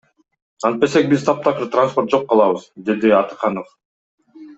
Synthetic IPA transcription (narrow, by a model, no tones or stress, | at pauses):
ɑnt̪̚be̞sek̚bizt̪ʰɑp̚t̪ʰɑqɯɾt̪ransport̪̚d͡ʒo̞qːɑlˠɑβɯzd̪e̞d̪iɑt̪ɯ̥qɑnof